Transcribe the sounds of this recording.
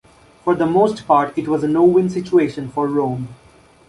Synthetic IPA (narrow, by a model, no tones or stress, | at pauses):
fɔɾd̪əmoːsʈpaːɾʈɪʈʋɔzənoːwɪ̃nsɪt͡ʃueːʃə̃nfɔɾːõːm